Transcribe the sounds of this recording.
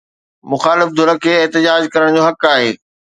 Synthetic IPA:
mʊxaːlɪfd̪ʱʊɾəkʰeːɪɦt̪ɪd͡ʑaːd͡ʑkɐɾəɽ̃d͡ʑoːɦɐkaːɦeː

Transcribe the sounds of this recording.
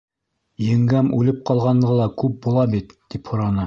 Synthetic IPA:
jɘ̆ŋɡæmʉlɘp̚qɑlˠʁɑnːɤʁɤlˠɑkʉp̚bulˠɑbit̪ːiphŏɾɑnɤ

